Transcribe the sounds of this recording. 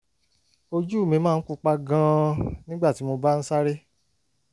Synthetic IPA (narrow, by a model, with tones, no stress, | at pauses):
o˧d͡ʒu˦˨mĩ˨˧mãː˦˧˨ku˦˧k͡pa˦ɡã˧nĩ˦ɡ͡ba˦˨ti˨˦mo˧ba˦n̩˦sa˦ɾe˦